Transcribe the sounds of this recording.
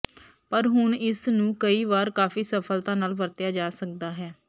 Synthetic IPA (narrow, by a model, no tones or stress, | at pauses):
pəɾɦʊɳɪsnũːkəiːʋaːɾkaːfiːsəpʰəlt̪ãːnaːlʋəɾt̪ɪjaːd͡ʒaːsək̚d̪aːɦɛː